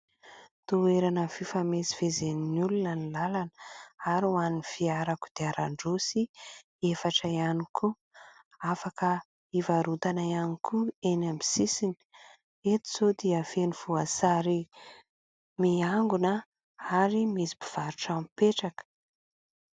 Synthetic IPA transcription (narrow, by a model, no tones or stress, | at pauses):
t̪ueɾanəfifamesi̥vezeninulunənilalanəaɾuanifiaɾaku̥d̪eaɾaɳɖ͡ʐosi | efaʈ͡ʂaianikʰu | afakə | ivaɾut̪anajanikʰuenambi̥sisini̥ | et̪u̥zod̪iəfeniv̥uasaɾi | miaŋɡunə | aɾimisi̥bi̥v̥aɾuʈ͡ʂampeʈ͡ʂakə̥